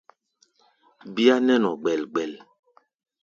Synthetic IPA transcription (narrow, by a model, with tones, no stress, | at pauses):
bi˦a˦nɛ˦nɔ˨ɡ͡bɛ˨lɡ͡bɛ˨l